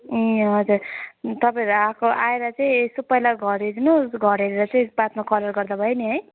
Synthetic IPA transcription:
ʌd͡zurt̪ʌpãẽɾuakoʔaeɾʌt͡sʌĩsupʌjlaɡʱʌɾeɾnosɡʱʌɾeɾeɾʌt͡sʌĩpat̪makʌlʌrɡʌrd̪abʱʌeneɦʌj

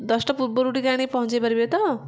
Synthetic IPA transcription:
d̪ʌsʈʌput̪̚boɾuʈikaɽ̃ipʌɦũnt͡sebʌɾibet̪ʌ

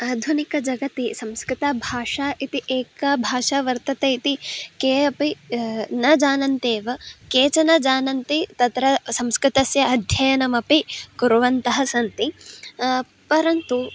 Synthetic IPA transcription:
aːd̪ʱunikɐd͡ʒɐɡɐt̪isɐ̃mskɾɪt̪aːbʱaːʂaːʔit̪iʔeːkabʱaːʂaːʋɐɾt̪ɐt̪eit̪ikeːɐpinɐd͡ʒaːnɐnt̪eːʋɐkeːt͡ʃɐnɐd͡ʒaːnɐnt̪it̪ɐt̪ɾɐsɐmskɾɪt̪ɐsjɐɐd̪ʱjɐjɐnɐmɐpikuɾuʋɐnt̪ɐɦɐsɐnt̪i | pɐɾɐnt̪u

